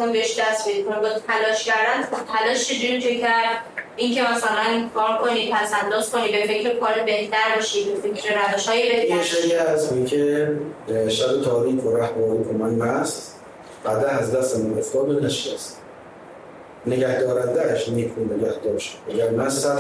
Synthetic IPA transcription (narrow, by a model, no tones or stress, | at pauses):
unbeeʃd̪æst̪bed̪ikʰonid̪ɒt̪ʰælɒːʃcæɾd̪ænt̪ʰælɒːʃt͡ʃʰed͡ʒuɾit͡ʃʰecʰæɾd̪incʰemæsælænkʰɒːɾkʰo̞niːd̪̚t̪ʰæsænːoskoniːd̪be̞fe̞cʰɾekʰɒːɾibe̞ht̪æɾbɒʃiːd̪befekʰɾeɾædɒʃhɒːjibeeʃæjæsoikʲʰe | ʃæbet̪ʰɒːɾiːkʰoɾæhbɒːɾiːkʰomænmæs | b̥æd̪ænæzd̪æst̪emænoft̪ɒːbenæʃiæs | neɡæhd̪ɒːɾænd̪æʃmikʰunneɡæhd̪ɒːɾʃæɡæɾmæssæ